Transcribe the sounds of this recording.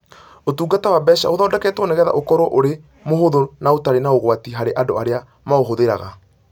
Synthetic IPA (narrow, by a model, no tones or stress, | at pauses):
otuːɡatawabɛʃa̰oðɔːdɛkɛːtɛonɛɣɛða̰ʔokɔɾwɔʔoɾe | mohoðonaotaɾenaoɣwatiɦaɾeʔadoaɾea | maoɦoðeɾa̰ɣa̰